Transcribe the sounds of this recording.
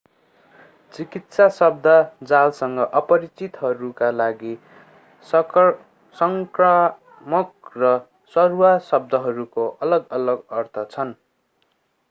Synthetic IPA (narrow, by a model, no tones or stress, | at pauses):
t͡sikit̪sasʌb̚d̪ʱʌd͡zalsʌŋɡʌʔʌpʌɾit͡sit̪ɦʌɾukalaɡi | sʌŋkra | mʌk̚rʌ | sʌruwasʌb̚d̪ʱʌɦʌɾukoʔʌlʌɡʌlʌɡʌrt̪ʰʌt͡sʰʌn